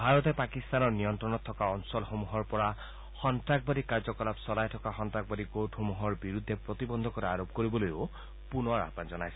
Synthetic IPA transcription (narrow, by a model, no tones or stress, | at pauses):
bʱaɾɔt̪epakist̪anɔɹnijɔnt̪ɾɔnɔt̪ʰːɔkaɔnsɔlxomuɦɔɹpɔɾa | xɔntɾak̚baɾikaɾd͡ʒɔkɔlapsɔlajtʰɔkaxɔntɾaɡ̚baɾiɡoʈxomuɦɔɹbiɾud̪ʱːepɾɔt̪ibɔnd̪ʱɔkɔɾeaɾob̚koɾibɔlojo | punɔaɾa̰pand͡ʒɔnajsɔ